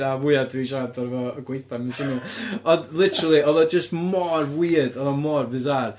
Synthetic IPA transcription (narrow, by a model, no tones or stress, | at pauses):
avʊjḁtʰviʃadɔɾvɔəɡwejθamɛnsɪnuɔdlˠɪtʰəɾəlˠiɔðɔd͡ʒəstmɔrvwidɔðɔmɔrvɨzar